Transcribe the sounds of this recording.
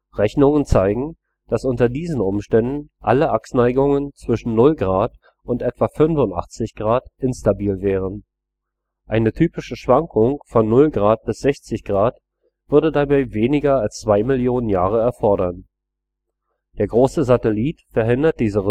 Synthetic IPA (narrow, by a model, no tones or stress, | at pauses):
ʁɛçnʊŋənt͡saɪɡŋ̩ | d̥asʔʊntɐdiːzn̩ʊmʃtɛndn̩ʔa̰ləʔaksnaɪɡʊŋənt͡sv̥ɪʃn̩nʊlɡʁaːt | ʔʊntʔɛtv̥afʏnvʊntʔa̰χt͡sɪçɡ̥ʁaːtʔɪnstabiːlvɛːʁ̞ən | ʔaɪnətʰyːpɪʃəʃv̥aŋkʰʊŋfɔnːʊlɡʁaːt̚b̥ɪsz̥ɛçt͡sɪçɡ̥ʁaːt | v̥ʏɐɾədabaɪveːnɪɡɐalst͡sv̥aɪmɪljoːnənjaːʁ̞əɛɐfɔɐɾɐn | d̥eːɐɡʁoːsəzatɛliːtfɛɐɦɪndɐt̚d̥iːzə